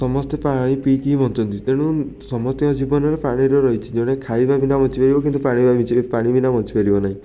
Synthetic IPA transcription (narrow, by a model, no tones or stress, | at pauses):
sɔmɔst̪epaɽ̃ipikibʱɔnt̪ɔnt̪it̪eɽ̃ũsɔmɔst̪iɔd͡ʒibɔnɔɾepaɽ̃iɾɔɾɔɦit͡ʃʰid͡ʒɔɽ̃ekʰajbabinamɔt͡ʃʰibeɾibɔkint̪upaɽ̃ibabit͡ʃipaɽ̃ibinamɔnt͡ʃipeɾibɔnaɦĩ